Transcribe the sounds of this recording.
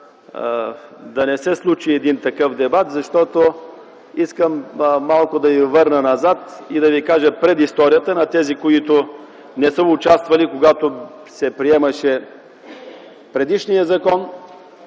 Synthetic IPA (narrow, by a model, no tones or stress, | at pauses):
d̪ɐnɛsɛslˠut͡ʃiɛd̪int̪ɐkɤfd̪ɛbat̪zɐʃt̪ɔt̪o | iskəmːalˠkʊd̪ɐvivɤɾnənɐzat̪id̪ɐvikaʒəpɾɛd̪ist̪ɔɾijət̪ənɐt̪ɛzikoit̪o | nɛsəʊt͡ʃast̪vɐlikoɡat̪o | sɛpɾiɛmɐʃɛ | pɾɛd̪iʃnijəzɐkɔn